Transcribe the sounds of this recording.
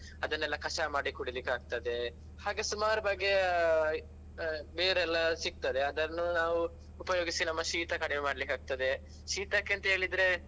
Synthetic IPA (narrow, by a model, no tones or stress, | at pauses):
ɐd̪ɐnːɛlːɐkʰɐʂamaːɽikuɽilikːaːɡ̚t̪ɐd̪e̞ | haːɡesumaːɾɐbɐɡːe | beːɾɛlːɐsik̚t̪ɐd̪eɐd̪ɐɾnːunaːʋu | upɐjoːɡisinɐmːɐʃiːt̪ɐkɐɽememaːɽɐlikːaːɡ̚t̪ɐd̪e | ʃiːt̪ɐkːent̪ɐɦeːɭid̪ɾe̞